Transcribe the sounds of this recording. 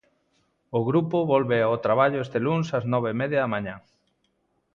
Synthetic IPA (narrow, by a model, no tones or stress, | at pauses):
ʊɣɾupoβɔlβeaot̪ɾaβaʎʊest̪eluŋsɐznɔβeimɛðjɐðɐmãɲã